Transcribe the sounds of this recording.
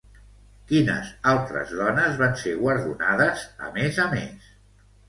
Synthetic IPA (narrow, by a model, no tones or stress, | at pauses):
kinə̰zalˠt̪ɾə̰zðɔnəzβanseɣwəɾðunaðəzə̰mezəmḛs